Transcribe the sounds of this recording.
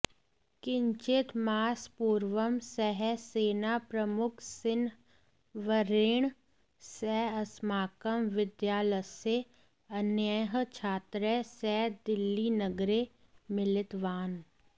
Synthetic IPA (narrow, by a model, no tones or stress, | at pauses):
kɪ̃ɲt͡ʃɪt̪maːspuːɾʋəmsɛɦɛseːnapɾɐmʊkʰsɪn | ʋəɾeːɳ̃ | sɛːɐsmaːkəmʋɪd̪jaːləse | ɐnjəɦt͡ʃʰaːt̪ɾesɛːd̪ɪlːinəɡɾe | mɪlɪt̪ʋaːn